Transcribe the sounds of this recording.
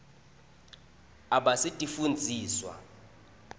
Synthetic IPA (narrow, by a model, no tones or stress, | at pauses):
aɓasitʼifund͡zʱiːswa̰